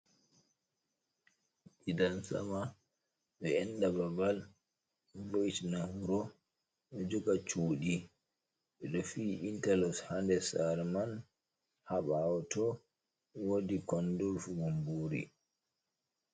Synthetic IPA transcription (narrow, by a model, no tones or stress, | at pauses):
ʔidansa̰ma | ɗɛɛnɗababal | ɗboitnahuɾɔ | ɗɔd͡ʒɔɡat͡ʃuːɗi | ɓɛɗɔfiːʔintalɔshandɛsaɾman | haɓawɔtɔ | wodikɔndɔlfuɡombuɾḭ